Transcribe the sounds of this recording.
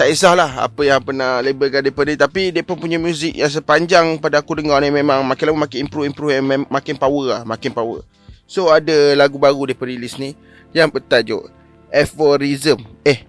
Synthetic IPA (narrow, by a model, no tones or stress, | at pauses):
t̪aʔis̬ahlaha̰pəjaŋpənahlebəlkandiepənit̪apidiapənpuɲamjuzɪk̚jaŋs̬əpaɲd͡ʒaŋpadaakudəŋɔnimẽmãŋmakɪnlaumakɪimpɾuimpɾufjamakɪnpawəahmakɪnpawə̰ | soadalaɡubaɾudipəɾilisni | jaŋpət̪ad͡ʒo̰ʔ | ɛfɔɾizəmɛh